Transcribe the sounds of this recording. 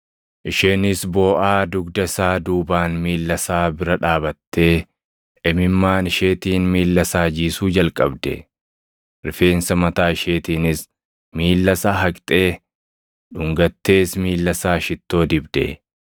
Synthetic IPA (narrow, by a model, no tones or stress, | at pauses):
ʔɪʃeːnɪsbo̞ːʔaːd̪ʊɡd̪ɐsaːd̪uːbaːnmiːlːɐsaːbɪɾɐᶑaːbɐt̪ːe̞ː | ʔɛmɪmːaːnɪʃeːt̪iːnmiːlːɐsaːd͡ʒiːsuːd͡ʒɐlkʼɐbd̪ɛ̰ | ɾɪfe̞ːnsɐmɐt̪aːɪʃeːt̪iːnɪs | miːlːɐsaːɦɐkʼt̪ʼe̞ː | ᶑʊŋɡɐt̪ːe̞ːsmiːlːɐsaːʃɪt̪ːo̞ːd̪ɪbd̪ɛ̰